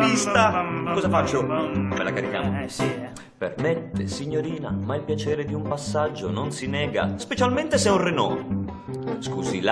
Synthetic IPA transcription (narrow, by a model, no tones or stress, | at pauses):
ist̪akɔzafat͡ʃːomelakaɾikja̰mo̰si | permɛt̪ːesiɲːoɾiːnamailpjat͡ʃɛːɾed̪iumpasːad͡ʒːononsinɛːɡa̰spet͡ʃalmɛnt̪esɛunrenɔː | skuzila